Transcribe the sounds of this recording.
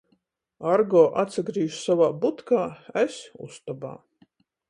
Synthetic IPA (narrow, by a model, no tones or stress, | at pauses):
aɾɡɔːʔat̪saɡɾiːjʃsavaːbut̪kaːesṵst̪ɔba̰ː